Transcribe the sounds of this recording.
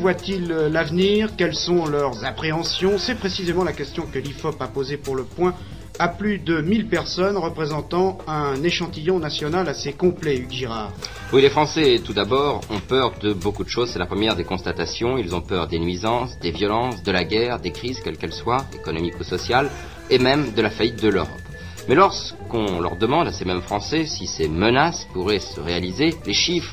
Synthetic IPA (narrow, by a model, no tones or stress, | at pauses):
vwat̪illavniːʁkɛlsɔ̃lœʁzapχeɑ̃sjɔ̃sɛpχesizemɑ̃lakʲɛst̪jɔ̃kəlifɔpapozepuʁləpwɛ̃ | aplyd̪əmilpɛʁsɔnʁəpχezɑ̃t̪ɑ̃ɛ̃neʃɑ̃t̪ijɔ̃nasjɔnalasekɔ̃plɛyɡʒiʁaːʁ | wilefχɑ̃sɛt̪ud̪abɔʁɔ̃pœʁd̪əbokud̪əʃozsɛlapχəmjɛʁd̪ekɔ̃st̪at̪asjɔ̃ilzɔ̃pœʁd̪enɥizɑ̃sd̪evjɔlɑ̃sd̪əlaɡʲɛʁd̪ekχizkʲɛlkɛlswaekɔnɔmikusɔsjal | emɛmd̪əlafait̪̚d̪əløʁɔp | mɛlɔʁskɔ̃lœ̰ʁd̪əmɑ̃d̪asemɛmfχɑ̃sɛsisemənaspuʁɛsəʁealizeleʃifχ